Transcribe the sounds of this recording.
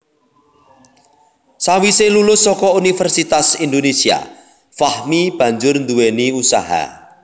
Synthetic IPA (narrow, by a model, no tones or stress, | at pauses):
sawiselulʊsːɔkɔunifɛrsit̪asind̪onesia̰ | fahmib̥a̤ɲd͡ʒʊrnd̪uweniusa̰ɦa̰